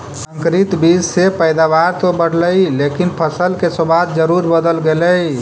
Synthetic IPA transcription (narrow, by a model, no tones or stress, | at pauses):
sə̃ŋkɾit̪bid͡ʒsepəjd̪aβaɾt̪obəɽ̤ləjlekinpʰəsəlkesobad̪d͡ʒəɾuɾbəd̪əlɡeləj